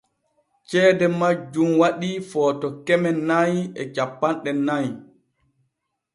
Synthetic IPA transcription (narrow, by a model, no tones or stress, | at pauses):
t͡ʃɛːdɛmad͡ʒumwaɗifɔːtɔkɛmɛnːajɛt͡ʃapːanɗɛnːaj